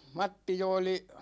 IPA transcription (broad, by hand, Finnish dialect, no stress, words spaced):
mɑtːi jo oli